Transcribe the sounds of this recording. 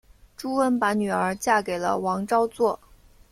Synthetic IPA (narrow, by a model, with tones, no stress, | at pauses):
ʈ͡ʂu˥wə˥npa˧˥ny˨˩ə˞˧˥t͡ɕja˥˩ke˨˩ɪlə̰˦wɑ˧˥ŋʈ͡ʂɑ˥ʊt͡swɔ˥˩